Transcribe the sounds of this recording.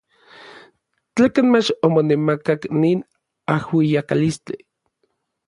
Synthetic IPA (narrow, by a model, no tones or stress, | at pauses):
t͡ɬaːkanmet͡ʃomonemakakniːn | ahwijakalist͡ɬi